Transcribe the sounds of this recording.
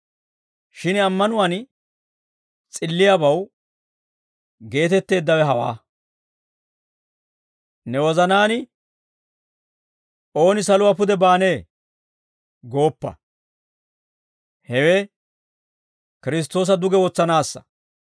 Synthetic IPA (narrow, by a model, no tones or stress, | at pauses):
ʃɪnɐmːɐnʊwɐn | t͡sʼɪlːɪjabɐw | ɡe̞ːt̪ɛt̪ːe̞ːd̪ːɐwɛɦɐwa̰ː | nɛwɔzɐnaːnɪ | ʔo̞ːnɪsɐlʊwapʊd̪ɛbaːne̞ː | ɡo̞ːpːɐ̰ | hɛwe | kɪɾɪs̬t̪o̞ːs̬ɐd̪ʊɡɛwɔt͡sːɐnaːsːɐ̥̰